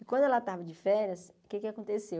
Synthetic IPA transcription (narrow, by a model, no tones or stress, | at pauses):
ɪkwɐ̃d̪ʊɛlat̪avɐd͡ʒɪfɛɾjɐs | kekɪakõnt̪ese